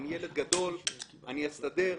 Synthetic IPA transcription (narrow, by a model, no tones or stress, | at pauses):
nijele̞d̪̚ɡad̪o̞l | a̰nijast̪ad̪e̞